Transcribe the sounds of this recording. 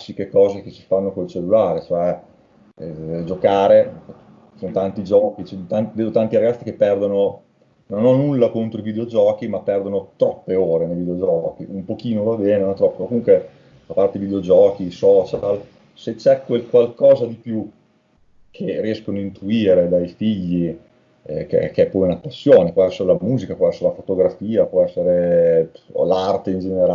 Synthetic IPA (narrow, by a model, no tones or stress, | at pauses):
asːikekɔːzekesi̥fanːokolt͡ʃelːulaːɾet͡ʃoɛ | d͡ʒokaːɾe | sonot̪ant̪id͡ʒɔːkit͡ʃnt̪ant̪d̪eːd̪ot̪ant̪iɾaɡat̪sːikepːɛrd̪ono | nonɔnːulːakont̪ɾoivid̪eod͡ʒɔːkimapːɛrd̪onot̪ɾɔpːeoːɾenevid̪eod͡ʒɔːkiʔumpok̟iːnovabeːneonɛt̪ɾɔpːokomuŋkwe | apart̪eivid̪eod͡ʒɔːkisɔːt͡ʃal | set͡ʃɛkːwelkwalkɔːzad̪ipju | kʰeriɛskonoint̪uiːɾed̪ajfiʎːi | kḛkeɛpːɔjunapːasːjoːnepwɔɛsːeɾelamuːzikapwɔɛsːeɾelafot̪oɡɾafiːapwɔɛsːeɾḛ | lart̪eind͡ʒeneɾa